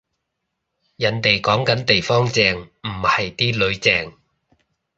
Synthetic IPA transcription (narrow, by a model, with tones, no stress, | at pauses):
jɐ˨˧nt̪e˨jkɔː˨˥ŋkɐ˨˥nt̪e˨jfɔː˥ŋt͡sɛː˨˧ŋm̩˨˩hɐ˨jt̪iː˥lɵ˨˧ɥt͡sɛː˨˧ŋ